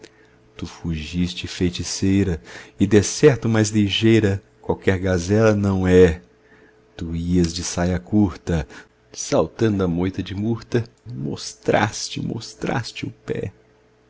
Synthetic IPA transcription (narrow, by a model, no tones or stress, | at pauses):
t̪ufuʒist͡ʃɪfejt͡ʃisejɾɐɪd̪esɛɾt̪ʊmajzliʒejɾɐ | kwawkɛɾɡazɛlɐnɐ̃w̃ɛ | t̪uiɐzd͡ʒɪsajɐkuɾt̪ɐ | sawt̪ɐ̃nd̪ʊɐmojt̪ɐd͡ʒɪmuɾt̪ɐmo̰st̪ɾa̰st͡ʃɪmo̰st̪ɾa̰st͡ʃɪʊpɛ̰